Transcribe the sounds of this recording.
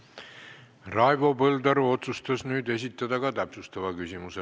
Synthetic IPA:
rɑevo̞pɤld̪ɑɾuo̞t̪sust̪ɑsnyːd̪e̞s̬ʲit̪ːˑɑd̪ɑkɑt̪æpsust̪ɑvɑkysimuse

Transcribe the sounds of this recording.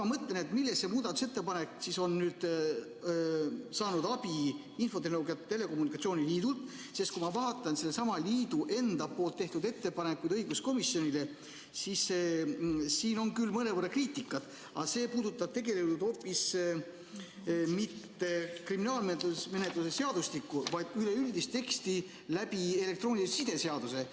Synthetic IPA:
ɑmɤt̪le̞ne̞t̪milːesse̞muːd̪̥ɑt̪ːu̥se̞t̪ːe̞pɑne̞ksiso̞nːnyːd̪̥ | sɑːnud̪̥ɑb̥i | info̞t̪e̞hnooɡjɑt̪t̪ːe̞le̞ko̞munikːˑɑt̪sio̞ːniliːd̪ult̪ˑ | se̞st̪kumɑvɑːt̪ːˑɑnselːesɑmɑliːd̪uʔe̞nd̪̥ɑpːo̞ːlt̪ːe̞ht̪ud̪e̞t̪ːe̞pɑne̞kːˑud̪ɤjɡ̥usko̞misjo̞nile̞ | sis | siːno̞ŋkylːmɤne̞vərːɑkriːt̪ˑikːˑɑt̪ | ɑse̞ːpuːd̪̥ut̪ːˑɑb̥̚t̪e̞ɡe̞let̪ːud̪o̞ːpːˑis | mit̪ːe̞kriminɑːlmet̪ume̞ne̞t̪luse̞se̞ɑd̪ust̪ikːˑuvɑjd̪̥yle̞ylʲd̪ist̪e̞kst̪i | læb̥ie̞lek̚t̪ro̞ːnʲilsid̪̥e̞seɑd̪̥use̞

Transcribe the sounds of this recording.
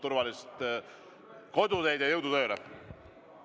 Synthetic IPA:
t̪uɾvɑlist̪ | ko̞d̪use̞jd̪̥jɑjɤwd̪ut̪øjulḛ

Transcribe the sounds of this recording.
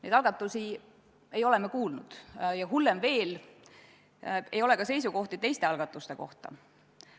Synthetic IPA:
nejd̪ɑlɡ̥ɑt̪ˑːusi | e̞jo̞le̞mːekuːlnud̪̥jɑɦulːemve̞ːl | e̞̰jo̞le̞kɑse̞js̬uko̞ht̪it̪e̞jst̪e̞ɑlɡɑt̪ːˑust̪e̞ko̞̰ht̪ɑ̰

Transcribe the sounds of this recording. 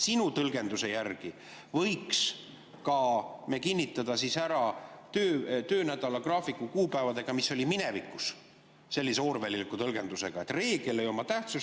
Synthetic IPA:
sinut̪ɤlɡe̞nd̪use̞jærɡ̥i | vɤjks | kɑmekinʲːit̪ːˑɑd̪̥ɑsisæɾɑt̪øːt̪øːnæd̪ɑlɑkrɑːfikˑːukuːpæevɑd̪e̞ɡ̥ɑmisːo̞lʲimine̞vikːˑus | se̞lːiseo̞ːɾvælilikːˑut̪ɤlɡe̞nd̪use̞̰ɡ̥ɑet̪ˑre̞ːɡ̥e̞lejo̞mɑt̪æht̪sus

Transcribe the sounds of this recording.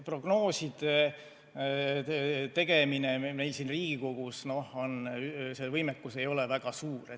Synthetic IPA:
pro̞ɡ̥no̞ːsid̪e | t̪e̞ɡ̥e̞mineme̞jlsiːnriːɡ̥iko̞ɡ̥usno̞honsevɤjmekːˑuse̞jo̞levæɡ̥ɑsuːɾe

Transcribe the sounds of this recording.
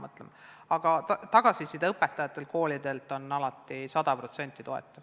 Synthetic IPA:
mɤt̪lḛm | ɑɡ̥ɑt̪ɑɡ̥ɑsisid̪ɑɤpːet̪ːˑɑjɑt̪ːˑe̞lko̞ːlid̪̥e̞lt̪ːˑo̞nːɑlɑt̪ːˑisɑd̪̥ɑpro̞t̪se̞nʲt̪ːˑit̪o̞e̞̰t̪ːˑɑv

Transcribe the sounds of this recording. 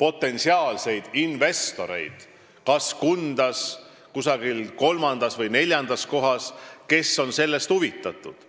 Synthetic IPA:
po̞t̪ːˑe̞nsiɑːlse̞jd̪̥inve̞st̪o̞ɾe̞̰jd̪̥ | kɑskund̪̥ɑs | kusɑɡilko̞lmɑnd̪̥ɑsvɤjne̞lʲjɑnd̪̥ɑsko̞ɦɑske̞sːo̞nse̞lːe̞st̪huvit̪ːˑɑt̪ːˑud̪̥

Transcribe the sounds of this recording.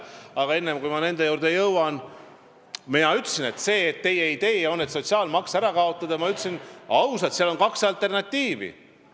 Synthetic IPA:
ɑɡ̥ɑe̞nːemkujmɑne̞nd̪e̞juːɾd̪e̞jɤwɑn | minɑyt̪ːˑsine̞t̪se̞ːt̪ːe̞jeit̪e̞ːo̞nːet̪so̞t̪siɑːlmɑksæɾɑkɑo̞t̪ːˑɑd̪̥ɑjmɑyt̪ːˑsinɑwsɑt̪siɑlo̞nkɑksɑlt̪ːˑe̞rnɑt̪ʲːiːvḭ

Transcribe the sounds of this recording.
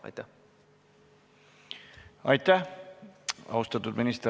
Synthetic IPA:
jt̪æ | ɑjt̪ːæh | ɑ̰ust̪ɑt̪ːud̪̥minist̪

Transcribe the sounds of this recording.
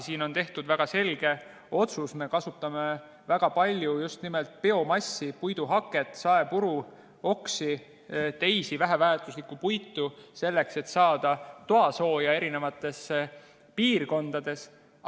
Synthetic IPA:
siːno̞nt̪e̞ht̪ud̪væɡ̥ɑse̞lɡ̥e̞ | o̞t̪susme̞kɑsut̪ːˑɑme̞ | væɡ̥ɑpɑlʲjujust̪nime̞lt̪̚pe̞o̞mɑsːipujd̪̥uɦɑkːˑe̞t̪sɑe̞puɾu | o̞ksi | t̪e̞jsivæɦævæːt̪ˑuslikːˑupujt̪ːˑuse̞lːe̞kse̞t̪ːsɑːd̪̥ɑt̪oɑso̞ːjɑe̞ɾine̞vɑt̪ːˑe̞sːe | piːrko̞nd̪̥ɑd̪̥e̞s

